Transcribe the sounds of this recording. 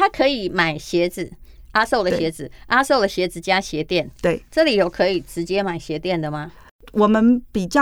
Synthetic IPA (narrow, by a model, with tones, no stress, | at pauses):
t̪ʰa˦˥kʰɤ˧˥i˨˩ma˨˩ɪɕjɛ˨˧˥d͡zɹ̩˨˩ | ʔa˥so˥˩ʊlə˨ɕjɛ˧˥d͡zɹ̩˨˩ʔa˥so˥˩ʊlə˨˩ɕjɛ˧˥d͡zɹ̩˨t͡ɕja˦˥ɕjɛ˧˥˦t̪jɛ˥˩nt̪we˥˩ɪʈ͡ʂɤ˥˨li˨˩jo˨˩ʊkʰɤ˧˦i˨˩ʈ͡ʂɻ̩˧˦t͡ɕjɛ˦˥ma˨˩ɪɕjɛ˧˦˥t̪jɛ˥˩nd̪ə˩ma˩ | wʔɔ˨˩mə˦npi˨˩t͡ɕjɑ˥